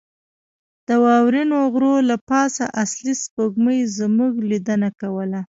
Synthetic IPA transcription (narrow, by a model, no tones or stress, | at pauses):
d̪̥əwɑwɾinoɣɾolapɑsaʔaslispəɡməjzmuɡlid̪ənakawəla